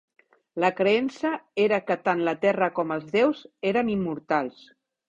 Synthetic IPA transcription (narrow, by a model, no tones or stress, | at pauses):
ləkɾeɛnsəeɾəkət̪anlət̪ɛrəkɔməlˠzðewzeɾənimːuɾt̪alˠs